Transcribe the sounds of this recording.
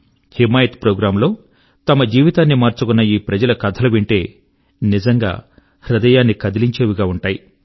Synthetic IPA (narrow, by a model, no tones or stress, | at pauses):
himaːjɐt̪pɾoːɡɾaːmlo̞ː | t̪ɐmɐd͡ʒiːʋit̪aːnːimaːɾt͡ʃukunːɐiːpɾɐd͡ʒɐlɐkɐd̪ʰɐlɐʋiɳʈe̞ː | nid͡ʒɐŋɡa̰ː | ɾud̪ɐjaːnːikɐd̪iliɲt͡ʃeːʋuɡaːuɳʈaːji